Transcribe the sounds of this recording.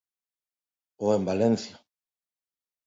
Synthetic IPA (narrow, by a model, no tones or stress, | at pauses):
oembalenθja